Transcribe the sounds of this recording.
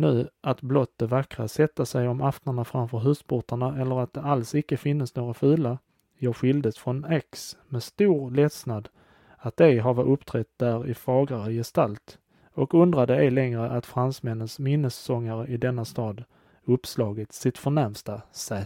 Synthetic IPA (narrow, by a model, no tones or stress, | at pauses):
nʉ̟ːat̪blɔt̪ːəvakɾasɛt̪ːasɛjɔmʔaft̪aɳafɾamfœɾɦʉ̟ːspʰʊʈaɳaɛlːəɾat̪̚d̪ɛʔalsɪkːəfɪnːəsnoːɡafʉːla | jœːɧɪld̪əsfɾɔnɛksmɛst̪uːɾlɛt̪snad̪ | at̪̚d̪ɛɡɦavaɵpt̪ʰɾɛt̪̚d̪̥æːɾɪfɑːɡɾaɾəjɛst̪alt̪ | ɔkɵnd̪ɾad̪əɛlɛŋɾəʔat̪fɾansmɛnːənsmɪnːəsːɔŋːaɾəʔɪd̪ɛnːast̪ɑːd̪ | ɵpːslɑːɡət̪sɪt̪fœɳɛɾmst̪asɛː